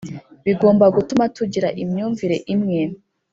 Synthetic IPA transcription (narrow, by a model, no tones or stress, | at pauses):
βiɡo̞ːmbaɡutumatuɟiɾaʔimɲuːɱviɾe̞ʔimŋe̞